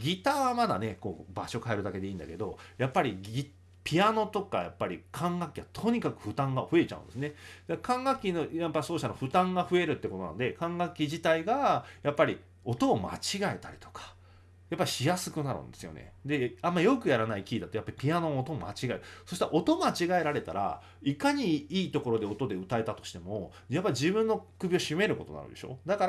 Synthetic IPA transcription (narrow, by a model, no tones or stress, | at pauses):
ɡʲit̪aβamad̪a̰ne̞ko̞̰ːbaɕo̞kae̞ɾɯd̪ake̞d̪e̞ĩːnd̪a̰ke̞d̪o̞japːaɾʲiɡʲi | pʲiano̞t̪o̞ka̰ja̰pːaɾʲikʰãŋɡakʲːiβat̪ʰo̞ɲ̟ikakɯ̟ɸɯ̟t̪ãŋɡaɸɯ̟e̞t͡ɕa̰ɯ̰̃nd̪e̞sɨned̪̥akãŋɡakʲːinojapːaiso̞ːɕit̪aɾaɸɯ̟t̪ãŋɡaɸɯ̟e̞ɾɯ̟t̪ːe̞ko̞t̪ona̰nod̪ekãŋɡakʲːiʑit̪aiɡajapːaɾʲi | o̞t̪o̞ːma̰t͡ɕiɡae̞̰t̪aɾʲi̥t̪o̞̥kḁ | japːaɾʲiɕijasɨkɯ̟naɾɯ̰̃nd̪e̞sɨjo̞̰nḛd̪e̞ãmːaijo̞kɯ̟jaɾanaikʲiːd̪at̪o̞japːaɾʲi̥pʲianõot̪o̞ma̰t͡ɕiɡaeɾɯ̟so̞ɕi̥t̪aɾaʔot̪o̞mat͡ɕiɡae̞ɾaɾe̞t̪aɾa̰ | ikaɲ̟iiːt̪o̞ko̞ɾo̞d̪e̞o̞t̪o̞d̪e̞ɯ̟t̪ae̞t̪at̪o̞̥ɕi̥t̪e̞mo̞ | japːaɾʲiʑibɯ̟̃nːo̞kɯ̟bʲio̞ɕime̞ɾɯ̟ko̞t̪o̞̰na̰ɾɯ̟̰d̪e̞ɕo̞̰ːd̪akaɾ